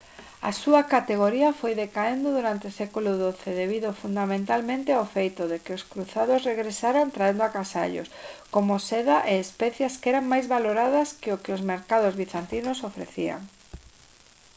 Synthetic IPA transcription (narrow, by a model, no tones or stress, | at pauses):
ɐ̰suɐkat̪eɣoɾiɐfojðekaend̪ʊðuɾant̪eʊsɛkulʊðoθeðeβiðʊfund̪amẽnt̪almẽnt̪ɪawfejt̪ʊðekɪʊskɾuθaðʊsreɣɾesaɾant̪ɾaend̪ʊakasa̰ʎʊ̰skomʊsɛðaʔeespɛθjaskɛɾaŋmajzβaloɾaðɐskɪʊkɪʊzmeɾkað̞ʊzβiθant̪inʊsofɾḛθia̰ŋ